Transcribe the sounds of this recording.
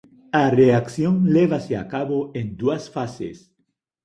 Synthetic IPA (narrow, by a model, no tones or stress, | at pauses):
areakθjõŋleβasea̰kaβoẽnd̪uasfasḛs